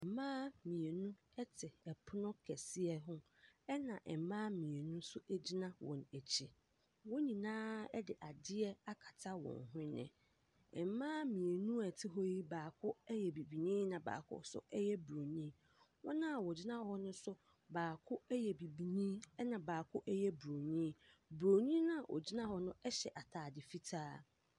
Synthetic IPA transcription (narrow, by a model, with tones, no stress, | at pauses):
ɛ˨m̩˨mãː˦mĩ˨e˨nũ˦ | ɛ˦tʰɪ˨ɛ˨pʰʊ˦nʊ̃˦kʰɛ˨sɪ˦ɛ˦ɦʊ̃˦ | ɛ˦nã˨ʔɛ˨mãː˦mĩ˨e˨nũ˦sʊ˦ɛ˦d͡ʑi˦nã˦wʔɔ̰̃˨næ˨t͡ɕʰi˨ | wɔ̃˦ɲĩ˨nãː˦ɛ˦dɪ˨ʔa˨dɪ˦ɛ˦a˦kʰḁ˨tʰa˦wɔ̰̃˨nɦʊ̃˦nɪ̰̃˨ | ɛ̰˨m˦mãː˦mĩ˨e˨nũ˦ɛ˨tʰɪ˦ɦɔ˦ji˦baː˨kʰʊ˦ɛ˦jɛ˨bi˨bi˨nĩː˦nã˨ba̰ː˨kʰʊ̰˦sʊ̰˦ɛ˦jɛ˦bɾo˨nĩ˦ | wɔ̃˦nã˦a˨wɔ˨d͡ʑi˦nã˦hɔ˦nʊ̃˦sʊ˦ | baː˨kʰʊ˦ɛ˦jɛ˨bi˨bi˨nĩ˦nã˨baː˨kʰʊ˦ʔɛ˦jɛ˦bɾo˨ɲĩ˦bɾo˨nĩ˦nã˦˨ʔɔ̰˨d͡ʑi˦nã˦hɔ˦nʊ̃˦ɛ˦ɕɛ˨ʔa˨tʰaː˨dɪ˨fi˦tʰaː˦